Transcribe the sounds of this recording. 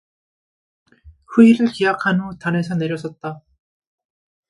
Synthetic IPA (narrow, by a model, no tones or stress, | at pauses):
ɸuiɾɯɭkijakʰanotane̞sʰʌne̞ɾjʌs͈ʰʌt̚t͈a